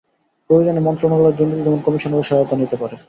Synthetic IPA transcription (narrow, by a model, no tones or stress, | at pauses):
pɾojod͡ʑonemɔnt̪ɾomɔŋleɾd̪uɾnːit̪id͡ʑ̪ɛmonkɔmiʃoneʃɔot̪anit̪epaɾe